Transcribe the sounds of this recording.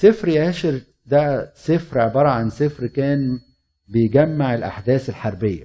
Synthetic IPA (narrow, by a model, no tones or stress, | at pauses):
sɪfɾjʕaːʃɪɾ | d̪æsɪfɾʔeʕbɑːɾˤɑʕansɪfɾkæːn | bejɡæmːaʕelʔa̰ħd̪æːselħaɾˤbɪjːæ̰